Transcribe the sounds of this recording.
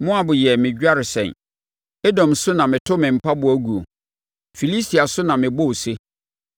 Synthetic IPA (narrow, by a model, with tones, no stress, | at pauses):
mʊ̃˦a˨bʊ˨jɛ˨mɪ̃˨ɟᶣa˦ɾɪ˨sɛ̰̃˨n | e˦dɔ̃˨msʊ˦nã˨mɪ̃˨tʰʊ˦mɪ̃˨m̩˨pʰa˦bʊ˨æ˦ɡu˨o̰˨ | fi˨li˦si˨a˨sʊ˦nã˨mɪ̃˨bo˦wse˦